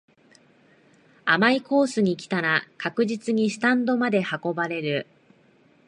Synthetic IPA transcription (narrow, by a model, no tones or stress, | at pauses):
amaiko̞ːsɨɲ̟ikʲi̥t̪aɾakakɯ̟ʑit͡sɨɲ̟isɨ̥t̪ãnd̪o̞mad̪e̞hako̞baɾe̞ɾɯ̟